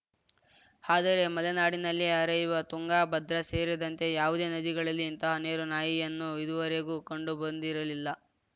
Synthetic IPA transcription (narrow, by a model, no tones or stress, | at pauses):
haːd̪ɐɾe̞mɐlenaːɽinɐlːiɐɾɐjuʋɐt̪uŋɡaːbɐd̪ɾɐse̞ːɾid̪ɐnt̪e̞jaːʋud̪e̞ːnɐd̪iɡɐɭɐlːiːnt̪ɐɦɐne̞ːɾunaːjijɐnːuid̪uʋɐɾe̞ɡukoɳɖubɐnd̪iɾɐlilːɐ